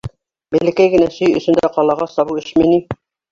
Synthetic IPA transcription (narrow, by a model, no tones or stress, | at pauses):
bɘlɘ̆kæjɡɘ̆næsɵjɵ̰̆sɵ̆nd̪æqɑlˠɑʁɑsɑβuɘʃmini